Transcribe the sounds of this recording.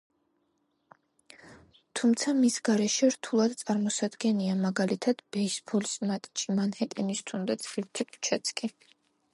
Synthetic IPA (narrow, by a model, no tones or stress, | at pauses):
t̪ʰumt̪sʰamisɡaɾɛʃɛɾt̪ʰulˠad̪t̪sʼaɾmɔsad̪ɡɛniamaɡalit̪ʰad̪̥bɛisbʰɔlsmat̪ʼt͡ʃʼimanhɛt̪ʼɛnist̪ʰund̪at̪sʰiɾt̪ʰɛkʰʼu̥t͡ʃʰat̪sʰkʼi